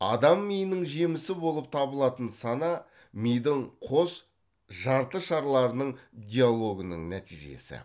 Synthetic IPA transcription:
ɑ̰d̪ɑmːijnɪŋʒe̞mɪsɪbo̞lˠəp̚t̪ʰɑbəlˠɑt̪ənsɑnɑ | mijd̪ɪɴqʰo̞s | ʒɑɾt̪əʃɑɾlˠɑɾənəɴd̪ʲijalˠo̞ɡənə̰ɴnæt̪ijʒe̞̰sɪ̰

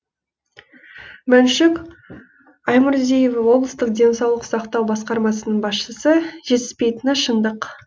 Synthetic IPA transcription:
mænʃɪk | ɑjmʊɾzejevɑwo̞blˠəst̪əq̚d̪ʲe̞nsɑwlˠəqsɑqt̪ɑwbɑsqɑɾmɑs̬ənəɴbɑsʃəsəʒ̥e̞t̪ɪ̥spe̞jt̪ɪnɑʃənd̪əq

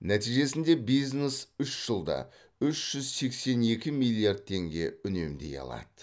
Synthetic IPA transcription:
næt̪ijʒe̞sɪnd̪e̞bijznesʏʃʒ̥əlˠd̪ɑ̰ | ʏʃʒ̥ʏzse̞kse̞ne̞kʲɪmilʲˠiard̪̚t̪ʰe̞ŋɡʲe̞ʏne̞md̪e̞̰jɑ̰lˠɑ̰d̪ə

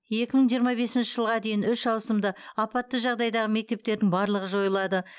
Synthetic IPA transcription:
je̞kʲɪməɴʒijəɾmɑbe̞sɪnʃɪʒəlˠʁɑd̪e̞jɪnʏʃɑwsəmd̪əɑpɑt̪ːəʒɑʁd̪ɑjd̪ɑʁəme̞k̚t̪e̞p̚t̪e̞ɾd̪ɪŋbɑɾlˠəʁəʒo̞jəlˠɑd̪ə

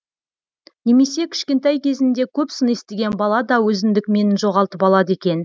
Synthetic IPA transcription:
ne̞me̞se̞kʲʰɪ̥ʃkʲe̞nt̪ɑjkʲʰe̞zɪnd̪e̞kʲʰɵpsənest̪e̞ɡʲe̞nbɑlˠɑd̪ɑwɵzɪnd̪ɪkme̞nɪnʒo̞ʁɑlˠt̪əpɑlˠɑd̪əe̞kʲe̞n

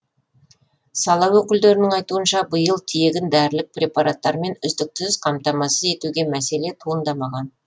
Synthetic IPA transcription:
sɑlˠɑwwɵkʲɪld̪e̞ɾɪnɪŋɑjt̪uənʃɑbəjəlˠt̪ʰije̞ɡʲɪnd̪æɾlɪk̚prʲe̞pɑɾat̪ːɑɾme̞nʏzd̪ɪk̚t̪ʰʏzqʰɑmt̪ɑmɑsəze̞t̪uɡʲe̞mæse̞le̞t̪ʰuənd̪ɑmɑʁɑn

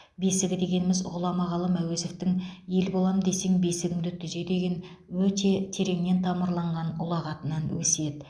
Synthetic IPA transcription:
be̞sɪɡʲɪd̪e̞ɡʲe̞nɪmɪzʁʊlˠɑmɑʁɑlˠəmæweze̞ft̪ɪŋje̞lbo̞lˠɑmd̪e̞seŋbe̞sɪɡʲɪŋd̪ɪt̪ʰʏze̞d̪e̞ɡʲe̞n | wɵt̪e̞t̪ʰe̞ɾe̞ŋne̞nt̪ʰɑməɾlˠɑɴʁɑnʊ̰lˠɑʁɑt̪ənɑnwɵse̞d̪ɪ

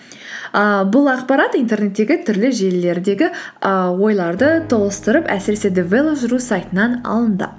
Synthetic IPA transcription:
əbʊlˠɑqpɑɾɑt̪ijnt̪e̞rne̞t̪ːe̞ɡʲɪt̪ʰʏɾlɪʒe̞lːe̞ɾd̪e̞ɡʲɪəwo̞jlˠɑɾd̪ət̪ʰo̞lˠəst̪əɾəpæ̰sɪɾe̞se̞d̪evelˠopʒɾusɑjt̪ənɑnɑ̰lˠənd̪ə̰

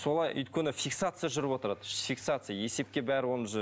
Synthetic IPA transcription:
so̞lˠɑjʏ̰jt̪kʲenɪfʲiksat̪sɨjaʒʏɾɪpwo̞t̪əɾad̪əfʲiksat̪sɨjaje̞se̞p̚kʲe̞bæɾɪwo̞nəʒ

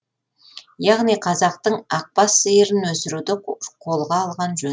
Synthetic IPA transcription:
jɑʁnijqʰɑzɑq̚t̪əɴɑq̚pɑsəjəɾɪnwɵsɪɾud̪ɪqʰo̞lˠʁɑːlˠʁɑnʒɵ

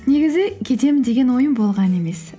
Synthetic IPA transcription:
ne̞ɡʲɪzɪkʲʰe̞d̪e̞md̪e̞ɡʲe̞nwo̞jəmbo̞lˠʁɑne̞me̞s

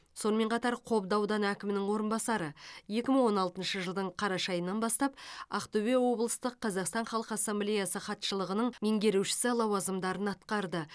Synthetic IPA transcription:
so̞nəme̞ɴqʰɑt̪ɑɾqʰo̞pd̪ɑwd̪ɑnækʲɪmɪnɪŋwo̞ɾənbɑsɑɾəje̞kʲɪməɴwo̞nɑlˠt̪ənʃəʒəlˠd̪əɴqʰɑɾɑʃɑjənːɑnbɑst̪ɑp̚ɑqt̪obewo̞blˠəst̪əqʰːɑzɑqst̪ɑɴχɑlˠəqɑsːemblʲejɑsəχɑt̪ʃəlˠəʁənəɴmeŋɡʲe̞ɾewʃɪ̥sɪlˠɑwɑzəmd̪ɑɾənɑt̪qɑɾd̪ə

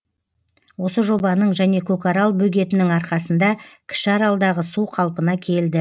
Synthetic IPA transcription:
wo̞səʒo̞bɑnəɴʒæne̞kʰɵkaɾɑlˠbɵɡʲe̞t̪ɪnɪŋɑɾqɑsənd̪ɑkʲʰɪ̥ʃɑɾɑlˠd̪ɑʁəsuqʰɑlˠpənɑkʲʰe̞ld̪ɪ

